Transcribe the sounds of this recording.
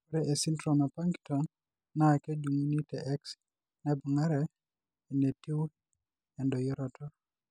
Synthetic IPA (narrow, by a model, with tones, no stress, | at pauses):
kuɾɛe˨si˦ntɾɔma˨pa˦ŋktɔn | na˨kɛ˦d͡ʒu˨mu˦ni˦tɛʔɛ˦ks | nɛbu˨ŋa˦ɾɛ | ɛ˨ne˨ti˦w | ɛ˨ndɔ˨jɔ˦ɾɔtʰɔ